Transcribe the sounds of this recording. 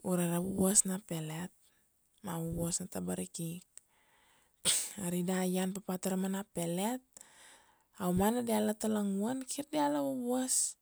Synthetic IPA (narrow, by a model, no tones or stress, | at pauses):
uɾaɾawubasnapelet̪̚ | mawuwɔsnat̪abaɾikik | aɾidajanpapat̪aɾmanapelet̪̚ | aumanadialat̪alaŋuankʰirdialawabuas